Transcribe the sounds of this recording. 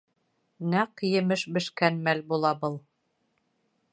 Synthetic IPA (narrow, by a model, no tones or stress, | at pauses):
næqjɘ̆mɘʃbɘ̆ʃkænmælbulˠɑbɤlˠ